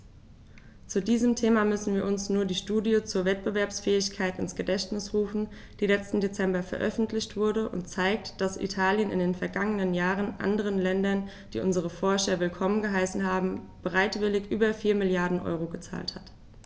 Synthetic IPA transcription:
t͡sudiːzəmtʰeːmamʏsn̩viːɐʔʊnsnuːɐdiːʃtuːdjət͡suːɐvɛtb̥əvɛɐpsfɛːɪçkʰaɪtɪnsɡ̥ədɛçtnɪsʁuːfn̩ | d̥iːlɛt͡stn̩det͡sɛmbɐfɛɐʔœ̰fn̩tʰlɪçtv̥ʊɐdəʔʊ̰ntt͡saɪk̚td̥asḭtʰaːljənɪ̰ndeːnfɛɐɡaŋənənjaːʁənʔa̰ndəʁ̞ənlɛndɐn | d̥ḭːʔʊnzəʁ̞əfɔɐʃɐvɪlkʰɔmənɡəɦaɪsn̩ɦaːbm̩ | b̥əʁaɪtv̥ɪlɪçʔyːbɐfiːɐmɪljaɐdn̩ʔɔ̰ʏʁoɡət͡sa̰ːlthat

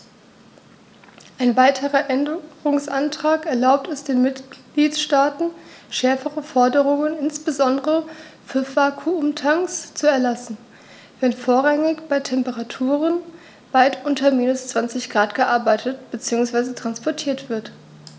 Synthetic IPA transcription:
ʔaɪnvaɪtʰəʁɐʔɛndəʁʊŋsʔantʁ̥aːkɛɐlaʊp̚tɛsd̥eːnmɪtliːtʃtaːtn̩ʃɛɐfəʁəfɔɐdəʁʊŋənɪnsb̥əzɔndəʁʁəfyːɐv̥aːkʰuʊmtʰaŋst͡suɛɐlasn̩ | vɛnfoːɐʁaŋɪçb̥aɪtʰɛmpəʁatʰuːʁən | vaɪtʔʊntɐmiːnʊst͡sv̥ant͡sɪçɡ̥ʁaːtɡ̥əʔaɐbaɪtʰətb̥ət͡siːʊŋsv̥aɪzətʁ̥anspɔɐtʰiːɐtv̥ɪɐt

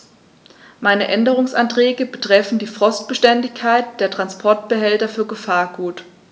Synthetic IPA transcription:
maɪnəʔɛndəʁ̞ʊŋsʔantʁ̥ɛːɡəbətʁ̥ɛfn̩diːfʁ̥ɔst̚b̥əʃtɛndɪçkʰːaɪt̚d̥eːɐtʁ̥anspʰɔɐt̚b̥əɦɛltɐfyːɐɡəfaːɐɡuːt

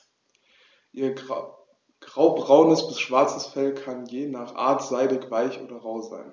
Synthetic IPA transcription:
ʔiːɐ | ɡ̥ʁaʊbʁaʊnəsb̥ɪsʃv̥aɐt͡səsfɛlkʰanjeːnaːχʔa̰ːɐtz̥aɪdɪçv̥aɪçʔo̰ːdɐʁaʊza̰ɪn

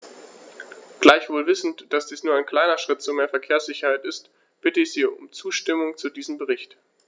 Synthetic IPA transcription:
ɡ̥laɪçv̥oːlvɪsn̩td̥asd̥iːsnuːɐʔaɪnkl̥aɪnɐʃʁ̥ɪt̚t͡suɐmeːɐfɛɐkʰeːɐsz̥ɪçɐhaɪtɪst | b̥ɪtəɪçz̥iːʊ̰mt͡suːʃtɪmʊŋt͡sudiːzəm̩bəʁɪçt

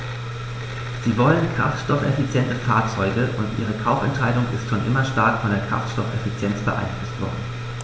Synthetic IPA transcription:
z̥iːvɔlənkʁ̥a̰ftʃtɔfɛ̰fit͡sjɛntəfaɐt͡sɔʏɡəʔʊntʔiːʁ̞əkʰaʊfɛntʃaɪdʊŋɪ̰stʃoːnʔɪmɐʃtaɐkfɔndeːɐkʁ̥a̰ftʃtɔfɛfit͡sjɛnt͡sb̥əʔa̰ɪnflʊstv̥ɔ̰ɐdn̩

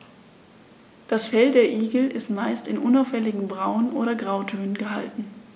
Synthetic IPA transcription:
d̥asfɛldeːɐʔiːɡl̩ʔɪstmaɪstɪnʔʊnaʊfhɛlɪɡŋ̩bʁaʊənʔo̰ːɾɐɡʁaʊtʰøːnənɡəɦa̰ltn̩

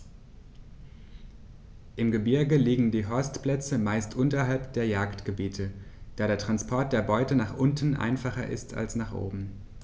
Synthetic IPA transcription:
ʔɪmɡəbɪɐɡəliːɡŋ̩diːɦɔɐstpl̥ɛt͡səmaɪstʔʊntɐɦalpd̥eːɐjaːktɡ̥əbiːtʰə | d̥aːɾeːɐtʁ̥anspʰɔɐt̚d̥eːɐbɔʏtənaːχʔʊntn̩ʔa̰ɪnfaχɐʔɪ̰stʰa̰lsnaːχʔo̰ːbm̩

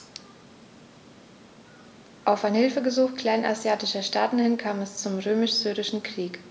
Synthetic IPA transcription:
ʔaʊfaɪnhɪlfəɡəzuːxkl̥aɪnʔa̰zjaːtɪʃɐʃtaːtn̩hɪnkʰaːmɛst͡sʊmʁøːmɪʃz̥yːʁɪʃn̩kʁ̥iːk

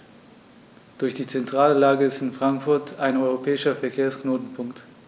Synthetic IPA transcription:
d̥ʊɐçd̥iːt͡sɛntʁ̥aːləlaːɡəɪstɪnfʁ̥aŋkfʊɐtʰaɪnɔʏʁopʰɛːɪʃɐfɛɐkʰeːɐsknoːtn̩pʰʊŋkt

